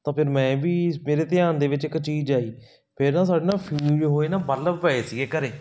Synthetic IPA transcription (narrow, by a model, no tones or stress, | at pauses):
t̪ãːpʰɪɾmɛ̃ːbiːmeːɾeːt̪ɪjaːnd̪eːʋɪt͡ʃɪkːt͡ʃiːd͡ʒaːiː | pʰɪɾnãːs̬aːɖeːnaːpʰiːd͡ʒɦoːeːnaːbəd̪ləbʋəeːsiːɡeːkəɾeː